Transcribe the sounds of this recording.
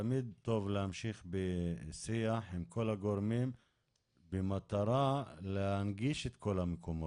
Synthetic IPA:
amid̪̚t̪o̞vlehamʃiχbesiaħimkʰo̞laɡo̞ɾmim | bemat̪aɾalehanɡiʃet̪ko̞lamekomo

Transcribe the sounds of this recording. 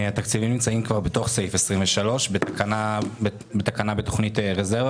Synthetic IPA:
at̪akt͡sivimnimt͡saimkvaʁbeto̞χsejfesʁimveʃalo̞ʃbeakana | bet̪akanabeto̞̥χnitʁezeʁva

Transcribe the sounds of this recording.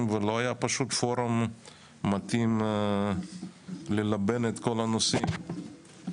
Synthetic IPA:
mvelo̞ajapaʃut̪foɾamː | at̪im | lelabenet̪kolanosim

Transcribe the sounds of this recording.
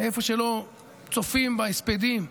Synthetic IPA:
efoʃelo | t͡sofimbaisped̪im

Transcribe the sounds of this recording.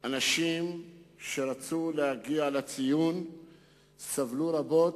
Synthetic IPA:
ʔanaʃimʃeɾat͡sulehaɡialat͡sijun | savluɾabo̞t̪

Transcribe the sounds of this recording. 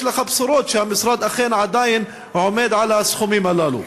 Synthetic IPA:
laxabsɾˤoːt̪ʃamɪsɾˤɑːd̪ʔaxeːnʕad̪aːjɪn | ʕʊmeːd̪ʕalasxʊmimalaːlṵ

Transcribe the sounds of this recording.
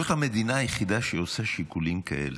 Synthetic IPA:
χame̞d̪inaːjeχid̪aʃeosaʃikulimkaʔḛl

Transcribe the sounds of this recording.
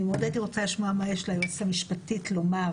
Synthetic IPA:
imod̪edliʁot͡saliʃmoamajeʃlajot͡samiʃpatitloma

